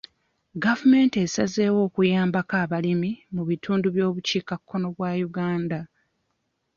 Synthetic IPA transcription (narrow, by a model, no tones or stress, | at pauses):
ɡavume̞ːnte̞saze̞ːwo̞ːkujaːmbakaːβalimimuβitʰuːnduβjo̞ːβuciːkakʰːo̞no̞βwaːjuɡaːnda